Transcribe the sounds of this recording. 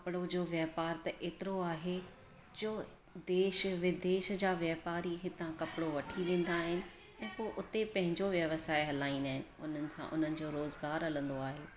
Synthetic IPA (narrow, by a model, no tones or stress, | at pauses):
kɐpɪɽod͡ʑoːʋjɐpaːɾt̪ɐʔeːt̪ɪɾoaːɦe | d͡ʑoː | d̪eːʃʋɪd̪eːʃd͡ʑaːʋjɐpaːɾiɦɪt̪ãkɐpɪɽoʋɐʈʰiʋẽːn̆d̪aːɦɪnɪ̆ | ɛ̃ːpoːʔʊt̪epɐ̃ɦɪ̃ɲd͡ʑoʋjɐʋsaːɪɦɐlaːĩnaːɦɪnɪ̆ʊn̤ənɪ̆sã̰ʔʊ̰n̤ənɪ̆d͡ʑoːɾoːzɡaːɾɐlə̃nd̪oaːɦeː